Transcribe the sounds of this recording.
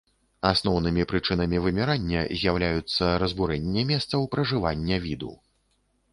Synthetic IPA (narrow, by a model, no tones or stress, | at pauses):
asnɔwnɨmʲipɾɨt͡ʂɨn̪ɐmʲivɨmʲɛɾanʲːɛ̰zʲjawlʲajut̪sːɐɾɐzbuɾɛnʲːɛmʲɛst̪sɐwpɾɐʐɨvanʲːɛvʲid̪ṵ